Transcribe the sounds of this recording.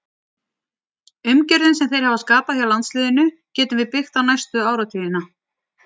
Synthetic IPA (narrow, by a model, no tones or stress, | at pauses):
ʏmcɛɾðɪnsɛmθejɾ̥havaskaːpaθjawlant̪slɪːðʏnʏ | cɛːt̪ʏmvɪðpɪxt̪awnajst̪ʏaːwɾawt̪ʰiːðɪna